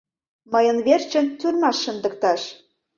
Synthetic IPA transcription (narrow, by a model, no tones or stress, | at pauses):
mɤjə̆nβert͡ɕə̆nt̪ʲyrmɑʃːə̆nd̪ə̆k̚t̪ɑʃ